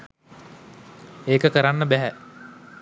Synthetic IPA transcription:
eːkəkəɾanːəbæɦæ

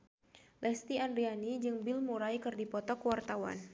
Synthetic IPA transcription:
lʔɛst̪iandɾianid͡ʒɨŋbɪlmuɾajkɨrdipɔt̪ɔkəwart̪awa̰n

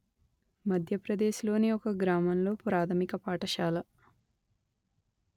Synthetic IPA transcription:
mɐd̪ʱjɐpɾɐd̪e̞ːʃlo̞ːniɔkɐɡɾaːmɐnlo̞ːpɾaːt̪ʰɐmikɐpaːʈɐʃaːlɐ

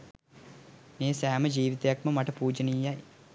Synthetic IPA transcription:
neːsaːmɐd͡ʒiːʋit̪ɐjɐk̚mɐmɐʈɐpuːd͡ʒɐnijːaj

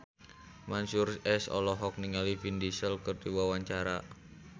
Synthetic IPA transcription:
mansurɛsɔ̰lɔɦɔk̚niŋalifindisəlkɨrdiwawaɲt͡ʃaɾa

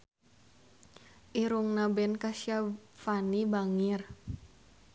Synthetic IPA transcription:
ʔiɾuŋnabɛnkasiafanibaŋir

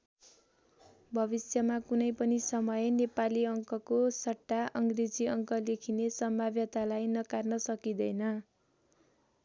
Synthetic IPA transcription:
bʱʌbisjʌmakunʌjpʌnisʌmʌjnepaliʌŋkʌkosʌʈːaʔʌŋɡred͡ziʌŋkʌlekʰinesʌmbʱabjʌt̪alajnʌkarnʌsʌkid̪ʌjnʌ

